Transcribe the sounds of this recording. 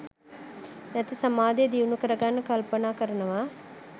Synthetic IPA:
nɛt̪isɐmaːd̪ejd̪iʋnukəɾɐɡanːɐkɐlpɐnaːkəɾɐnɐʋa

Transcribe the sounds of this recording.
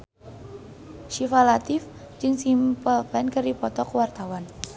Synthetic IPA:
ʃifalat̪ɪf | d͡ʒɨŋsimpəlpɛnkɨripɔt̪ɔkəwart̪awan

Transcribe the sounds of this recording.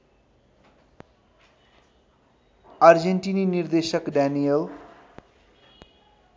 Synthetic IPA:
aɾd͡ʑeɳʈininiɾd̪eʃəkɖɛnijel

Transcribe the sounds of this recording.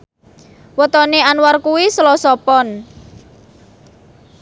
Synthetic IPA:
wət̪ɔneanwarkuwisəlɔsɔpɔn

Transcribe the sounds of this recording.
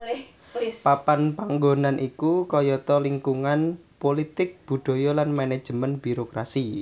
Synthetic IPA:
papanpaŋɡonanʔikukɔjɔt̪ɔliŋkuŋan | polit̪ɪk̚b̥ṳd̪̥ɔ̤jɔlanmanɛd̥ʒ̥ə̤mənb̥i̤ɾokɾasi

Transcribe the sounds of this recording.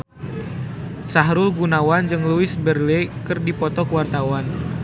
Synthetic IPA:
saɦɾʊlɡunawand͡ʒɨŋluɪsbərlɛkɨrdipɔt̪ɔkəwart̪awan

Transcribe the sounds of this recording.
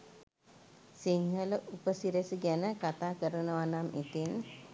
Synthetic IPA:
siŋɦələʔupəsiɾesəɡænəkat̪aːkəɾənəʋanamit̪in

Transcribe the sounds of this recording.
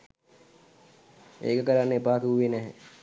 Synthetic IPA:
ḛːkəkəɾanːepaːk̪uuʋenɛɦe

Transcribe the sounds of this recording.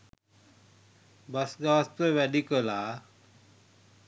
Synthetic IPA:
bɐsɡaːst̪əʋɛɗikəlaː

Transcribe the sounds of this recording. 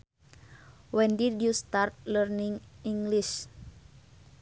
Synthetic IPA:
wɛndidjust̪art̪̚lərniŋiŋɡliʃ

